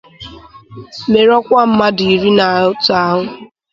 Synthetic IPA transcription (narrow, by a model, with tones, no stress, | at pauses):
me˨ɾɔ˦kʷa˦m̩˦ma˦di˨i˨ɾi˦na˨ʊ˦tʊ˦a˦ɦʊ˦